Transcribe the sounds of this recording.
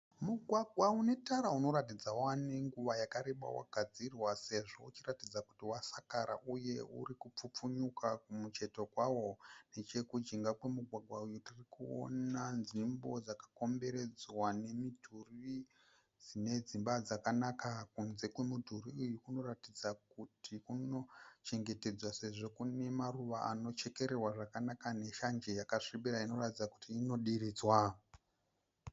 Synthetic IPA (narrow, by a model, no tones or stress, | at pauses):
muɡʱwaɡʱwaune̞taɾauno̞ɾatid͡zaaneŋɡuʋajakaɾeɓa̰wa̰ɡʱad͡zirwase̞ʐo̞̰ut͡ʃiratid͡zaku̥tiwasakaɾa̰ʔuje̞ṵɾikup͡fup͡fuɲukakumut͡ʃe̞to̞kwawo̞ne̞t͡ʃe̞kud͡ʒiŋɡakwe̞muɡʱwaɡʱwaujutirikuo̰nanʐimbo̞d͡zakḁko̞mbe̞ɾe̞d͡zwane̞midʱuri | d͡zine̞d͡zimbad͡zakanakakunze̞kwe̞mudʱuriujukuno̞ratid͡zakutʰikuno̞t͡ʃe̞ŋɡe̞te̞d͡zwase̞ʐo̞kune̞maruʋaa̰no̞t͡ʃe̞ke̞ɾerwaʐakanakane̞ʃand͡ʒejakaʂibiɾaino̞ratid͡zakutiːno̞ɗiriːd͡zwa